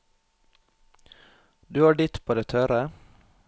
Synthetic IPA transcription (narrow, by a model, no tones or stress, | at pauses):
d̪ɵhæːɖɪt̪ːpʰoːd̪ɛt̪ʰœɾə